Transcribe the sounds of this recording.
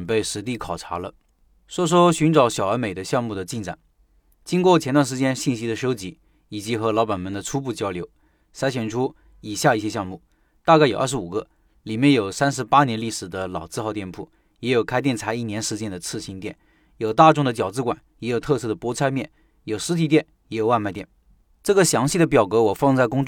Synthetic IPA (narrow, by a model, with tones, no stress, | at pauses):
npe˥˩ɪʂɻ̩˧˥t̪i˥˩kʰɑ˨˩ʊʈ͡ʂʰa̰˧˥lə̰˧ | ʂwɔ˥ʂ̬wɔ˥ɕy˧˥nʈ͡ʂɑ˧˥ʊɕjɑ˨˩ʊə˞˧˥me˨˩ɪd̪ə˦ɕjɑ˥˧ŋmu˥˩d̪ə˩t͡ɕi˥˩nʈ͡ʂa̰˨˩˦n | t͡ɕi˥ŋkwɔ˥˩t͡ɕʰɛ˧˥nt̪wa˥˩nʂ̬ɻ̩˧˥t͡ɕjɛ˥nɕi˥˩nɕi˥d̪ə˨˧ʂo˥ʊt͡ɕi˧˥ | i˨˩t͡ɕi˧˥xɤ˧˥lɑ˧˥pa˨˩nmə˧˥nd̪ə˧ʈ͡ʂʰu˥pu˥˩t͡ɕjɑ˥ʊljo˧˥ʊ | sa˧˥ɕɥɛ˨˩nʈ͡ʂʰu˥ | i˨˩ɕja˥˧i˥˩ɕjɛ˥ɕjɑ˥˧ŋmu˥˩ | t̪a˥˧ka˥˩ɪjo˨˩ʊə˞˥˩ʂu˨˩ɡə˧˦ | li˨˩mjɛ˥˧njo˨˩ʊsa˥nʂ̬ɻ̩˧˥pa˥njɛ˧˥nli˥˩ʂɻ̩˨˩d̪ə˦lɑ˨˩ʊt͡sɹ̩˥˧xɑ˥˧ʊt̪jɛ˥˧npʰu˥˩ | jɛ˧˥jo˨˩ʊkʰa˥ɪt̪jɛ˥˩nt͡sʰa˧˥ɪi˥˩njɛ˧˥nʂɻ̩˧˥t͡ɕjɛ˥˩nd̪ə˨t͡sʰɹ̩˥˩˧ɕi˧˥nt̪jɛ˥˩n | jo˨˩ʊt̪a˥˧ʈ͡ʂʊ˥˩ŋd̪ə˩t͡ɕjɑ˨˩ʊt͡sɹ̩˥kwa̰˨˩˦njɛ˧˥jo˨˩ʊt̪ʰɤ˥˧sɤ˥˩d̪ə˩pwɔ˧˥t͡sʰa˥ɪmjɛ˥˩n | jo˨˩ʊʂɻ̩˧˥t̪ʰi˨˩t̪jɛ˥˩n | jɛ˧˥jo˨˩ʊwa˥˧ma˥˧ɪt̪jɛ˥˩n | ʈ͡ʂɤ˥˩ɡə˩ɕjɑ˧˥ŋɕi˥˩d̪ə˩p̬jɑ˨˩ʊkɤ˧˥wɔ˨˩fɑ˥˧ŋt͡sa˥˩ɪkʊ˥ŋʈ͡ʂ